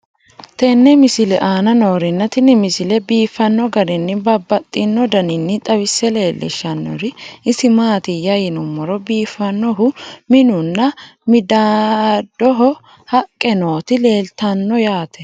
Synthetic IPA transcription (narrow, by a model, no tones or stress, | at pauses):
t̪ɛnːɛmɪsɪlɛʔaːnɐno̞ːɾɪnːɐt̪ɪnɪmɪsɪlɛbiːfːɐnːɔɡɐɾɪnːɪbɐbːɐt̪ʼːɪnːɔd̪ɐnɪnːɪt̪ʼɐwɪsːɛle̞ːlːɪ̰ʃːɐnːɔ̰ɾɪɪsɪmaːt̪ɪjɐjɪnʊmːɔɾɔbiːfːɐnːɔɦʊmɪnʊnːɐmɪd̪ad̪̥ɔɦɔ | hɐkʼːɛno̞ːt̪ɪle̞ːlt̪ɐnːɔjaːt̪ʰɛ̥